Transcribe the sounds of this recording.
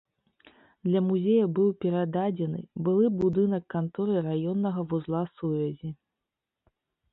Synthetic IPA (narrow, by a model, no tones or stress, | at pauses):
d̪lʲɐmuzʲejɐbɨwpʲɛɾad̪ad͡zʲɛnɨ̰bɨlˠɨbud̪ɨnɐkːant̪ɔɾɨɾajɔnːɐɣɐvuzlˠasuvʲɐzʲi